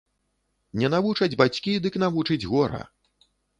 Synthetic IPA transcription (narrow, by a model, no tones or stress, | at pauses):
nʲɛnavut͡ʂɐd͡zʲbat͡sʲkʲid̪ɨkn̪avut͡ʂɨd͡zʲɣɔɾɐ̰